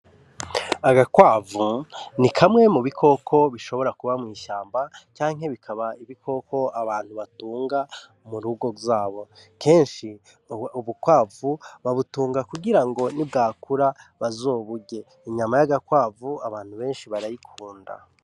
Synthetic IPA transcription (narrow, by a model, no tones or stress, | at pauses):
aɡakwaːvunikʰamŋe̞muβikʰo̞kʰo̞βiʃo̞βo̞ɾakuβamŋiːʃaːmbat͡ʃaːŋɦe̞βikʰaβaiβikʰo̞kʰo̞aβaːn̥huβatuːŋɡa | muɾuɡo̞ɡzaːβo̞kʰe̞ːnʃi | uβukwaːvuβaβutuːŋɡakuɡiɾaŋɡo̞nib̚ɡaːkuɾaβazo̞ːβuɟe̞ | iɲamajaɡakwaːvuaβaːn̥huβe̞ːnʃiβaɾajikʰuːnda̰